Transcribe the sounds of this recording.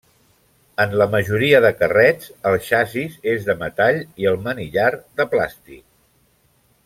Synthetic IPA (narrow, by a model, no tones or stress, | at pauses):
ənləməʒuɾiəðəkərɛt͡səlˠʃazizezðəmət̪aʎiəlˠməniʎard̪əpla̰st̪ḭk̚